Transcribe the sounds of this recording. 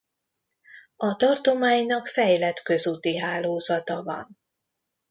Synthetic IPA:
ɒt̪ɒrt̪o̞maːɲnɒkfɛjlɛt̪kø̞zut̪iɦaːloːzɒt̪ɒvɒ̰n

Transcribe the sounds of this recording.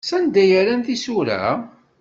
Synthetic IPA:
sænd̪æjəɾænθisuɾæ̰

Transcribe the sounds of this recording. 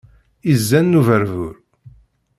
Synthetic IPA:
izːænːuvəɾvʊɾ

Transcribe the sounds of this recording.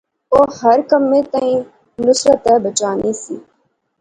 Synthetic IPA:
oːhəɾkəmːẽːt̪əĩː | nʊsɾət̪ɛːbət͡ʃaːniːsiː

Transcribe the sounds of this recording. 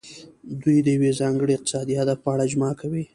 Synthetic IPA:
d̪ujd̪əjawezɑŋɡəɽiɪq̚t̪ɪ̥sɑd̪ihad̪afpəaɽaʒmɑkʰawi

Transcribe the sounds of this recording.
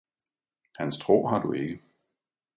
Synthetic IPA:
hænst͡sʰʁo̝̰ːɦɑ̈d̥ue̝ɡ̥ə

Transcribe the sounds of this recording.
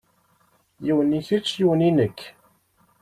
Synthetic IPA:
jiwəniθit͡ʃːjiwəninəkː

